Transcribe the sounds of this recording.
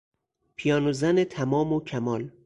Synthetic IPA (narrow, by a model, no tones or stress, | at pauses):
pʰijɒːnozænet̪ʰæmɒːmocʰæmɒːl